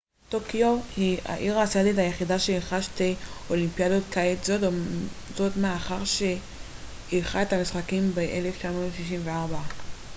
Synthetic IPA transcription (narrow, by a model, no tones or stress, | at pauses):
tokiohia̰ʔiʁasaditajeχidaʃeiχaʃteolimpiadotkaitzodzo̞tmeaχaʁʃe | ilχaetamisχakimbeʔele̞ft͡ʃamo̞ːtʃiʃ̬imveaʁba